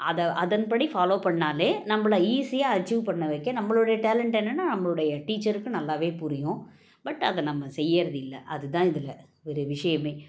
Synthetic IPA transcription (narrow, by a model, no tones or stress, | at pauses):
ɐðɐʔɐðɐnpɐɽifaːloːpɐɳːaːleːnɐmːɐɭɐiːsɪjaːɐt͡ʃːuːʋpɐɳːɐʋɛɪkːɐ̃nɐmːɐɭɯɽɐjɐʈeːlɛɳʈɛnːɐnːaːnɐmːɐɭɯɽɐjɐʈiːt͡ʃːɐɾɯkːɯ̃nɐlːaːʋeːpʊɾɪjʊ̃ | bɐʈːɐðɐnɐmːɐsɛjːɐɾɐðɯɪlːɐʔɐðɯt̪ãːɪðɪlɐ | ʋɔɾɯʋɪʂɐjɐmeː